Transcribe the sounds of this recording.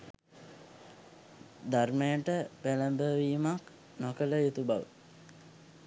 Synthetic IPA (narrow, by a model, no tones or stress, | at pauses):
d̪armejəʈəpæləmbəʋiːmak | nokələjut̪ubaʋə